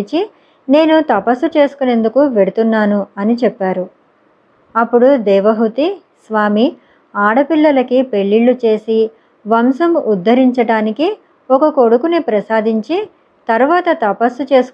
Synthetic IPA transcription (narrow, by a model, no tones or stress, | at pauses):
t͡ʃi | ne̞ːnut̪ɐpɐsːut͡ʃe̞ːsu̥kone̞nd̪ukuʋe̞ɽut̪unːaːnuɐnit͡ʃɛpːaːɾu | ɐpːuɽud̪ɛːʋɐɦut̪i | sʋaːmi | aːɽɐpiɭːɐlɐkipe̞ɭːiɭːut͡ʃe̞ːsi | ʋɐmsɐmud̪ʱːɐɾiɲt͡ʃɐɽaːniki | ɔkɐko̞ɽukunipɾɐsaːd̪iɲt͡ʃi | t̪ɐɾʋaːt̪ɐt̪ɐpɐsːut͡ʃe̞ːsu̥